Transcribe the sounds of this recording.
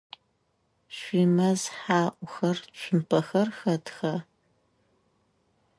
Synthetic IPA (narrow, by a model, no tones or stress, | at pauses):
ɕʷiːmɐzħaːʔʷʊxɐrt͡ʃʷʰʊmpʰɐxɐrxɐtxɐ